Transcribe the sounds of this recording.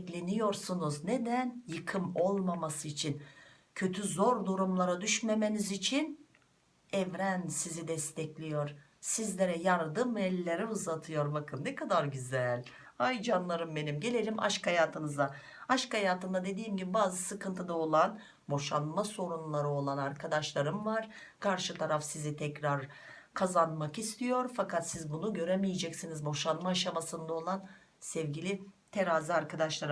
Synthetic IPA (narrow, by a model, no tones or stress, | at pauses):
klʲe̞nijo̞ɾsunuzne̞d̪ænjɯkʰɯmo̞lˠmamasɯit͡ʃʰin | cʰø̞t̪ʰyzo̞ɾd̪uɾumlˠaɾad̪yʃme̞me̞nizit͡ʃʰin | ɛvɾænsizid̪ɛst̪ʰɛclʲijo̞ɾ | sizlʲe̞ɾɛjaɾd̪ɯmɛlʲːeɾiuzat̪ʰɯjo̞ɾbakʰɯmnɛkʰad̪aɾɟyzælʲ | ajd͡ʒanlˠaɾɯmbe̞nimɟe̞lʲe̞lʲimʔa̰ʃkajaːt̪ʰɯnɯzd̪a | aʃkhajaːt̪ɯnd̪ad̪e̞d̪iːmɟibibaːzɯsɯkɯnt̪ʰɯd̪ao̞lˠan | bo̞ʃanmaso̞ɾunlˠaɾɯo̞lˠanaɾkʰad̪aʃlˠaɾɯmvaɾ̥ | kʰaɾʃɯt̪ʰaɾafsizit̪ʰɛcɾaɾ | kʰazanmakist̪ʰijo̞ɾfakʰat̪sizbunuɟø̞ɾemijɛd͡ʒɛcsinizbo̞ʃanmaːʃamasɯnd̪ao̞lˠan | sɛvɟilʲit̪ʰeɾaːzɯaɾkʰad̪aʃlˠaɾ